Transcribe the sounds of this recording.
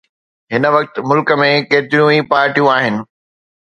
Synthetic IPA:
ɦɪnə̆ʋɐk̚t̪ɪ̆mʊlkə̆mẽkeːt̪ɪɾjũipaːɾʈijũaːɦɪnɪ̆

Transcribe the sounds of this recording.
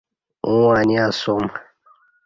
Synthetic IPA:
ũwaniasom

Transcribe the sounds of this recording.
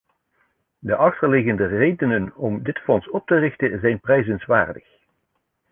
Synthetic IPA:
dəʔɑχtəɹlɪɣəndərejdənənɔmdɪtfɔnsɔp̚tərɪχtəzɛjnprɛjzənsʋa̰ːɹdəχ

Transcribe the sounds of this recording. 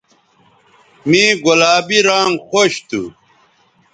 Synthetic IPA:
mĩːɡolaːbiɾãːŋxoɕt̪ṵ

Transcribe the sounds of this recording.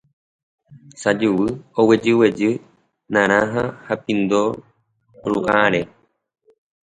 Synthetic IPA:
sad͡ʒuwɨowed͡ʒɨwed͡ʒɨ | nãɾ̃ãɦahapĩnd̪o | ɾṵʔaɾe

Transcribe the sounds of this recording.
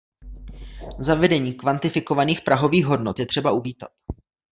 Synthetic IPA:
zavɛdɛɲiːkvant̪ɪfɪko̞vaniːxpɾʔaɦo̞viːɣɦo̞dnot̪jɛt̪r̥ɛbaʔuviːt̪a̰t̪

